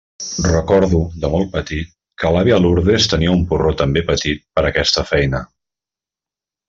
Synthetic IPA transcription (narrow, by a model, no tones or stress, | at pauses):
rəkɔɾðud̪əmɔl̚ˠpət̪it̪̚ | kəlaβiəluɾðest̪əniəumpurot̪əmbepət̪it̪̚pəɾəkɛst̪əfɛjnə